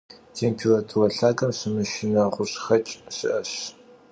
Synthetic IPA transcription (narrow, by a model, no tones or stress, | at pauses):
tʰeːmpʰilɐtʰurɐɬaːkʼɐmɕɪmɨʃɪnɐʁʷʊɕxɐt͡ʃʼɕɪʔɐɕ